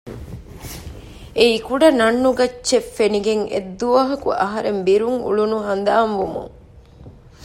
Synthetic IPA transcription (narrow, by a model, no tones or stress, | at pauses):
eikuɖɐnɐnːuɡɐt͡ʃːt͡ʃːefeniɡeŋḛd̪ːuʋɐɦɐkṵʔɐɦɐɾembiɾuŋṵɭunuɦɐnd̪aːmʋumṵŋ